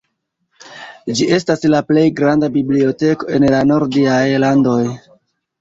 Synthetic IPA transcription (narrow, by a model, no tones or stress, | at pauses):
d͡ʒie̞staslaple̞jɡɾandabiblio̞te̞ko̞e̞nlano̞ɾdiajlando̞j